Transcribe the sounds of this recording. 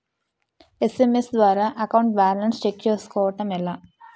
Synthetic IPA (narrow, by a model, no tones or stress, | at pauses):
e̞se̞mesd̪ʋaːɾaːʔɐkɐwɳʈ̚baːɾlɐnst͡ʃekt͡ʃe̞ːsu̥kɔːʋɐʈɐmɛlaː